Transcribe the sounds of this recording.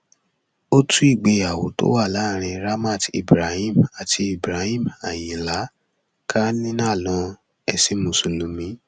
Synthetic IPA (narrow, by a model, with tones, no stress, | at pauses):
o˦tu˦i˦˨ɡ͡be˧˨a˨wo̰˨˦to̰˦wa˦˨la˨˦ɾ̃ĩ˧ɾa˦ma˦˨tḭ˨bɾa˨hĩ˦˨ma˨tʰi˧i˨bɾa˨˦hĩ˦˨ma˨ji˨la˨˦ | kʰa˦nĩ˦nã˦˨lɔ̃˧˦ | ɛ˧˨se˨˦mũ˨˧su˧lũ˨˦mĩ˨˦